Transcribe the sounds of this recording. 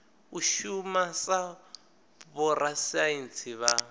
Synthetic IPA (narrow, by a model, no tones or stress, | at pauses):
uʃumasa | βɔrasaint͡sʰiβa